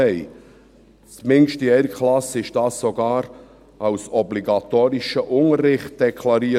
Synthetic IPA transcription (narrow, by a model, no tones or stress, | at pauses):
ɛɪ | smɪŋʃtiɛɾkχlɑsɪʃd̥ɑːssoɡɑːɾ | ɑwsɔbliɡɑt̪oːɾiʃəʔʊŋəɾːɪχt̚d̥ɛkʰlɑɾiː